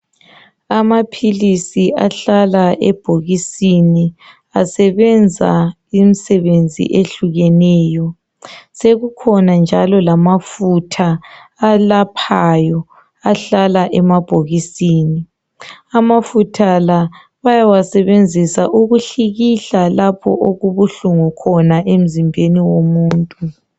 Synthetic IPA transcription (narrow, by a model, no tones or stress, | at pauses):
amapʰilisiaɬalaʔɛb̥ʱoɣisini | asɛβɛnd͡zʱa̰ | imisɛβend͡zʱḭʔeɬuɣɛnɛːjɔ | seɣukʰɔnand͡ʒʱalɔlamafutʰaː | lapʰajɔ | aɬalaʔɛmab̥ʱoɣisiːni | amafutʰala | βajawasɛβend͡zʱisaʔuɣuɬiɣiɬalapʰɔ̰ʔoɣuβuɬuŋukʰɔnaʔem̩zimbʱeniwomuːntʼu